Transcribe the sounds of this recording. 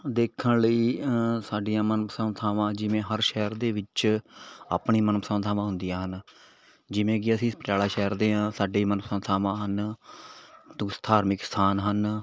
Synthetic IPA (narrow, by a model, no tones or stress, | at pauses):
d̪eːkʰənləiːsaːɖijãːmənpsənt̪ʰaːʋãːd͡ʒɪʋẽːɦəɾʃɛːɾd̪eːʋɪt͡ʃ | a̰ːpɳiːmənpəsənt̪ʰaːʋãːɦʊ̃nd̪ijãːɦən | d͡ʒɪʋẽːɡɪəsĩːspəʈjaːlaːʃɛːəɾd̪eːɦãːsaːɖeːmənpəsənt̪ʰaːʋãːɦən | t̪ʊ̃ːst̪ʰaːɾmɪkst̪ʰaːnɦən